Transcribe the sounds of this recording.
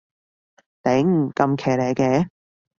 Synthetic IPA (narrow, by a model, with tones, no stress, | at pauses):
t̪ɛ˨˥ŋ˨kɐ˧mkʰɛː˨˩lɛː˨˩kɛː˧